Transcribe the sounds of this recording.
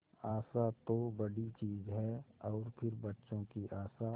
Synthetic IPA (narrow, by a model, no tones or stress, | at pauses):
aːsat̪obɐɽit͡ʃiːzɦɛːɔːɾpʰɪɾbɐtːʃõkiʔaːsa